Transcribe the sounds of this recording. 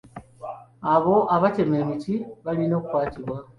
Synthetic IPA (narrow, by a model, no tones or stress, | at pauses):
aβo̞ʔaβace̞me̞ːmitiβalino̞ːkukwaːtiβwa